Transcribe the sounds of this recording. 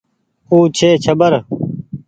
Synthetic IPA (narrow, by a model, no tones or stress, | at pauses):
uːt͡ɕʰeːt͡ɕʰəbəɾ